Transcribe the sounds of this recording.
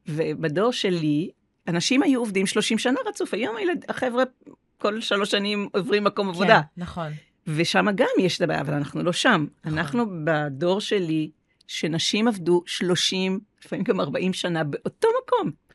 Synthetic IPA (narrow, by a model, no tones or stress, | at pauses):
vebado̞ʁʃe̞li | anaʃimhajuovdimʃlo̞ʃimʃanaʁat͡sufhajo̞maeladaχevʁe | ko̞lʃalo̞ʃanimovʁimːako̞mavodanɐχon | ve̞ʃamaɡamjeʃetabaːja̰ːva̰lanaχnuloʃamanaχnubado̞ʁʃe̞li | ʃenaʃimavduʃlo̞ʃimlifamimɡamaʁbaʔimʃanabeʔo̞to̞mako̞m